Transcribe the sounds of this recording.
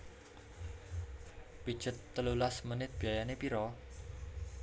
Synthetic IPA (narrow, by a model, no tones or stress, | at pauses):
pid̥ʒ̥ə̤t̪ːəlulasmənɪt̪̚b̥iajanepiɾɔ